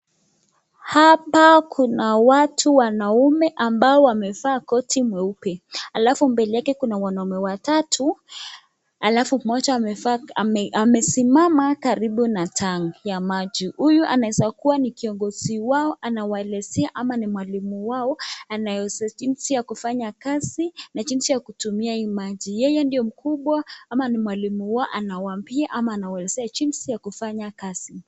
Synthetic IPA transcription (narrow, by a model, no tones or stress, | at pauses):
hapakʰunawatʰuwanaumɛʔambaɔwamɛfaːkɔtʰimwɛupɛalafumbɛlijakɛkunawanaumɛwatatʰu | alafumɔt͡ʃa | amɛsimamakaɾiɓunatʰaŋjamad͡ʒihujuʔa̰naɛzakuwanikiɔŋɡɔz̥iwaɔʔanawaɛlɛzɛaʔamanimwalimuwaɔanajɔd͡ʒinsijakufaɲakazinaʄinsijakutumiaimaʄijɛjɛndijɔm̩kuɓwaamanimwalimuwaɔʔanawambiaʔamaːnawaɛlɛzɛat͡ʃinsijakufaɲakaz̥i